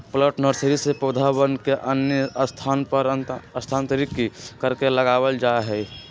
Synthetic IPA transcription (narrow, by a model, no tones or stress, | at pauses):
pləʈnəɾsəɾisepod̪ʱabənkeʔənjəst̪ʰaːnpəɾəst̪ʰaːnt̪əɾikikəɾkeləɡaːwəld͡ʒaɦɛ